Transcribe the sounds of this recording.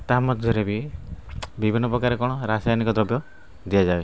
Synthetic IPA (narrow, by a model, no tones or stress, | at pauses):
t̪amɔt̪d͡ʒjɔɾebi | bibʱinːɔpɾɔkaɾekɔɽ̃ɔɾasajnikɔd̪ɾɔbjɔ | d̪iad͡ʒae